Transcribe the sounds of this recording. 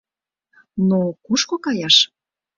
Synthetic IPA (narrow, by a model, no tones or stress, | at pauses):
nokuʃkokɑjɑʃ